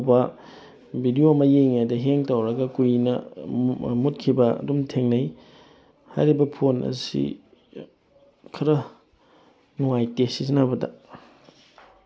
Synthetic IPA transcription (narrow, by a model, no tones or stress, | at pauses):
bɐ | bʱidioɐmɐjejŋajdɐɦeŋtɐwɾɐɡɐkujnɐ | mut̚kʰibɐɐ̰dumtʰeŋnɐj | ha̰jɾibɐpʰonɐ̰sḭ | kʰɐɾɐ | nuŋajtesisnɐbɐdɐ̰